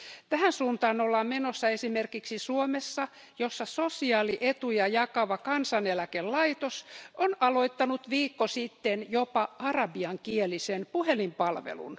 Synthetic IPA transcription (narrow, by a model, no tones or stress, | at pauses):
t̪æhænsuːnt̪ɑːnolːɑmmenosːɑesimerkiksisuomesːɑ | josːɑsosiɑːliʔet̪ujɑjɑkɑʋɑkɑnsɑnelækellɑit̪osonɑloit̪ːɑnut̪ʋiːkːosit̪ːenjopɑʔɑrɑbiɑŋkielisenpuhelimpɑlʋḛlṵn